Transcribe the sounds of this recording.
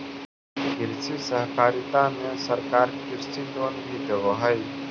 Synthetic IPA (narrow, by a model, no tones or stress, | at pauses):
kɪɾsisəɦkaːɾɪt̪amẽsəɾkaːɾkɪɾsiloːnbʱid̪əʋɦaj